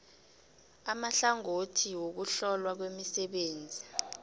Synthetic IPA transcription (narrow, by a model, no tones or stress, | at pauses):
amaɬaŋotʰiwok̬uɬɔlwak̬wemisɛɓeːnd͡zʱi